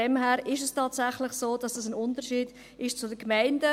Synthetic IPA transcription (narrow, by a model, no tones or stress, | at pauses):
ɛmhæːɾɪʃɛstʰɑːtsæχlɪχsoːd̥ɑsd̥ɑsənʊntəɾʃiːd̥ | ʔɪʃt͡sʊdəkmæɪndə